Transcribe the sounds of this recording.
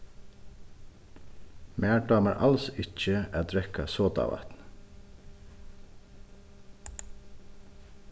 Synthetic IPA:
mʔæːɖɑːməɹʔɑ̰lsɪc͡çəæːd̪ɹɛkʰɑsoːt̪ɑ̰ːʋɑ̰t̪n

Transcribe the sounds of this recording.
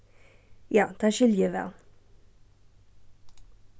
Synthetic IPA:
jɑːt̪ʰɑːʃʏljəʋɛ̰l

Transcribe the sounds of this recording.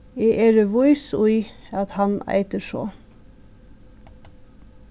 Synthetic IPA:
eːʔeɾəʋʊʏsʊʏɑt̪hɑnæ̰ɪt̪əʃo̰ː

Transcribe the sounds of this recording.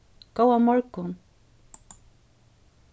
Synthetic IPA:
kawamaɾkʊn

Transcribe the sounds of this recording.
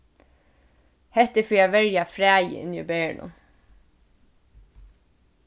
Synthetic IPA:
hɛht̪əfɪæʋɛɹjafɾæːjə̰ʔɪ̰nḭbeɪ̰ɳʔʊ̰m

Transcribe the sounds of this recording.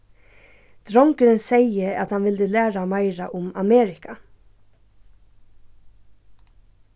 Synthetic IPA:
d̪̥ɾɔŋkəɾənseɪəɑt̪hɑnʋɪld̪əlæːɾamɑɪɾaʔʊmameːɾɪka

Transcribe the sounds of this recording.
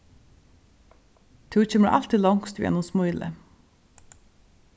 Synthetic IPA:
t̪ʰʉːc͡çeməʔɑ̰lt̪ɪlɔŋst̪ʉjɛ̰nʊmsmoːʏlə̰

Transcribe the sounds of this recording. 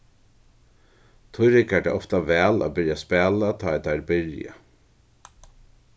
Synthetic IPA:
t̪ʰʊɾɪkæɖɛ̰ːʔɔft̪aʋɛːla̰ːbɪɾjaspɛːlat̪ʰɑːɛt̪aɾbɪɾja̰

